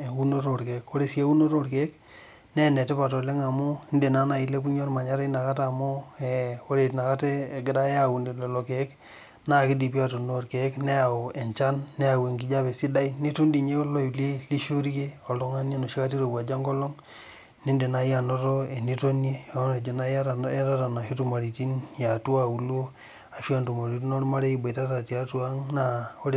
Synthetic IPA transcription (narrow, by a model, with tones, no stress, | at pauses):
e˨wu˦no˦ɾo˨ɾke˨˦ko˦ɾe˨si˦e˦wu˦no˦ɾo˦ɾke˨˦k | ne˦˨ne˨te˦pa˨to˨le˦ŋa˨mo˦i˦nde˨na˦na˨i˨le˦ku˦ɲo˦ɾma˨ɲa˦ɾe˦na˨ka˦ta˨mo˦e˨o˦ɾe˨tna˨ka˦te˦˨ɡɪ˦ɾa˦je˦a˨wu˨ndi˨lo˨lo˨ke˨˦k | na˦˨ki˦di˨pi˦a˦˨to˨no˦˨ɾke˨˦kne˦a˨o˨e˨ɲt͡ʃa˦nːe˦a˨we˨ŋɡi˨d͡ʒa˦be˨si˦da˦i˦ni˦tu˦ndi˨ɲe˦o˦lo˦i˨li˦li˦ʃo˦ɾi˦ke˦o˨lo˦ŋa˦nje˦no˨ʃi˦ka˦ti˦ɾo˨ba˨d͡ʒa˦ŋɡo˦lo˦ŋ | ni˦nde˨na˨ja˨no˦ɾo˦e˨ni˦to˦nje˦˨o˦n˦ɾe˨d͡ʒo˨na˦a˨˦ta˦ta˨na˨ʃi˦tu˦ma˨ɾi˨ti˦nja˨tu˦a˦u˨lo˦ | a˨ʃi˦a˦ntu˨ma˨ɾi˨˦t̬no˦ɾma˦ɾe˦i˨ba˨ta˦ta˨ti˨a˦tu˦a˦ŋna˨o˦ɾe˦